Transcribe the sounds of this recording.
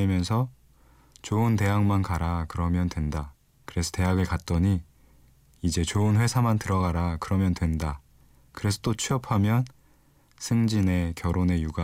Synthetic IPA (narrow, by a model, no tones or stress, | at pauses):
emjʌnsʰʌ | t͡ɕoɯnte̞ɦaŋmankaɾakɯɾʌmjʌntwe̞nda | kɯɾe̞sʰʌ̥te̞ɦaɡɯɭkat̚t͈ʌɲi | id͡ʑe̞t͡ɕoɯnɸwe̞sʰamantɯɾʌɡaɾakɯɾʌmjʌntwe̞nda | kɯɾe̞sʰʌ̥t͈ot͡ɕʰiʌpʰamjʌn | sʰɯŋd͡ʑine̞kjʌɾone̞juɡa